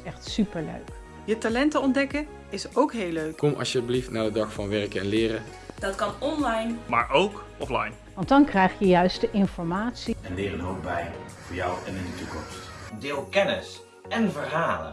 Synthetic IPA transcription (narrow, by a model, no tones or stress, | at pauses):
ɛχtsypəɹlø̰ɥk | jətalɛntəɔndɛkə | ɪsowkɦeːløɥkkɔmʔɑ̰ʃjəbliftnaːdədɑχfɑnʋɛɹkəɛnlɪːrə | d̥ɑtkɑnɔnlɑjnmaːɹowkɔflɑ̰jn | ʋɑntdɑnkrɛjχjəjœɥstəʔɪnfɔɹmaːtsiɛnlɪːrənɦowpbɛjbə̰lˠv̥ʊːɹjawɛnɪndətukɔ̰mst | dɪːlˠkɛnɪs | ɛnvəɹɦaːlə̰n